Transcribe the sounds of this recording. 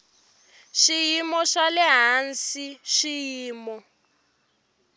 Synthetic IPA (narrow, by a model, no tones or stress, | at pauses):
ʃijimɔʃalɛɦansiʃijiːmɔ